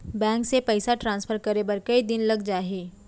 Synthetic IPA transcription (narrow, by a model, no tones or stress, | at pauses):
bɛ̃ːŋksepɛɪsaʈɾãːnspʰəɾkɐɾebɐɾkɐid̪ɪnlɐɡd͡ʒaːɦiː